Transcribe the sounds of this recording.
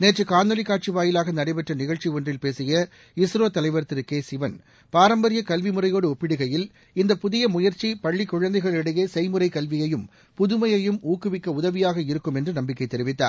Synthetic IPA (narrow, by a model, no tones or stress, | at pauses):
neːʈrɯkaːnd̪ɐlɪkːaːʈ̚t͡ʃiʋaːjɪlaːɣɐnɐɽɐɪpɛʈrɐnɪɣɐɭt͡ʃiɔndrɪlpeːsɪjɐ | ɪsɾoːt̪ɐlɐɪʋɐɾt̪ːɪɾɯkeːsɪʋɐn | paːɾɐmbɐɾɪjɐkɐlʋimɯrɐjoːɽɯɔpːɪɽɯɣɐjɪl | ɪnd̪ɐpʊðɪjɐmʊjɐɾt͡ʃipɐɭːɪkːʊɻɐnd̪ɐɪɣɐɭɪɽɐjeːsɛɪmɯrɐɪkɐlʋɪjɐjɯm | pʊðɯmɐjɐjɯmuːkːɯʋɪkːɐʊðɐʋɪjaːɣɐɪɾɯkːɯmɛndrɯnɐmbɪkːɐɪt̪ːɛɾɪʋɪt̪ːa̰ːɾ